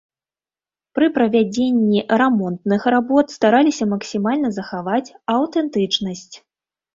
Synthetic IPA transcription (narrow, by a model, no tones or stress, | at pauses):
pɾɨpɾɐvʲad͡zʲenʲːirɛmɔnt̪nɨxrabɔt̪st̪aɾalʲisʲɐmɐksʲimalʲnɐzɐxavat͡sʲɐwt̪ɛnt̪ɨt͡ʂnɐsʲt͡sʲ